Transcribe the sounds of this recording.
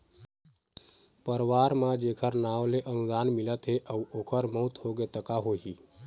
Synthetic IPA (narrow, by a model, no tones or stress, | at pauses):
pəɾʋaːɾmãd͡ʒeːkʰəɾnaːʋleʔənud̪aːnmɪlət̪ɦeʔəwoːkʰəɾməut̪hoɡet̪əkaɦoɦiː